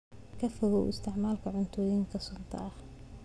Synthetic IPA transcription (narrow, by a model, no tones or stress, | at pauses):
kʰɐfɔɣʊ̰ɪ̰st̪ʰɪʕmaːlkʰɐʕʊnt̪ʰɔːjɪŋkʰɐsʊnt̪ʰɐ̰ʔɐh